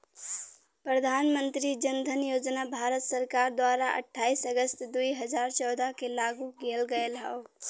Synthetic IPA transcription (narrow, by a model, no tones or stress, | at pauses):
pɾəd̪ʱanmənt̪ɾid͡ʒənd̪ʱənjod͡ʒnabʱaɾət̪səɾkaɾd̪waɾaʔə̰ʈʰːaːisəɡəst̪d̪uiɦəd͡ʒaɾt͡ʃɔʊd̪ʱakelaɡuɡelɡəelɦɛo